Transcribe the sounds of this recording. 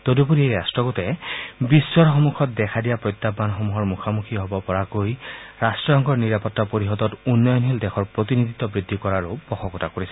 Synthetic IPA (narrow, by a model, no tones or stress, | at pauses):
t̪odup̬uɹieɹastɹɔɡotɛbisːɔɹxɔmukʰɔt̚dɛkʰadijapɹɔjt̪ːabanxomuɦɔɹmukʰamukʰiɦobɔpɔɹakojɹastɹɔɔŋkɔɹniɹapɔtːapoɹiɦɔdɔtunːɔjɔnɦildɛxʰɔɹpɹot̪inidit̪ːɔbɹidʱːikɔɹaɹupɔxʰɔkɔtakoɹisɛ